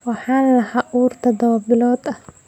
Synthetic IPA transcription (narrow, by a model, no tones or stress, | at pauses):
wɑħaːnɐlɐhaːʔuːrt̪ʰɐd̪ɐwbɪlɔːd̪ɐh